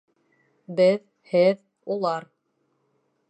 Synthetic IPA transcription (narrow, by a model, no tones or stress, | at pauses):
bɘð | hɘð | ulˠɑɾ